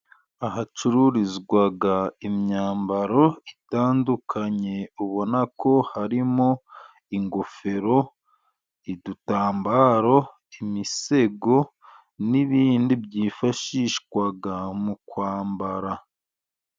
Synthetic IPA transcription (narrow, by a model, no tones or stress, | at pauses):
ahat͡ʃuɾuɾizɡwaɡaimɲaːmbaɾo̞itaːndukʰaɲe̞uβo̞nako̞haɾimo̞ | iŋɡofe̞ɾo̞ | idutaːmbaɾo̞ | imise̞ɡo̞ | niβiːndibjiːfaʃiʃkwaɡamukwaːmbaɾa